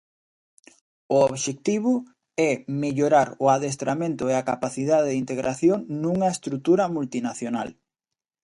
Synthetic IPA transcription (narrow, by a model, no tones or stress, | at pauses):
ooβʃek̚t̪iβʊ | ɛmeʎoɾaɾʊaðest̪ɾamẽnt̪ʊeakapaθiðaðeðint̪eɣɾʔaθjoŋnuŋɐest̪ɾut̪uɾɐmult̪inaθjona̰l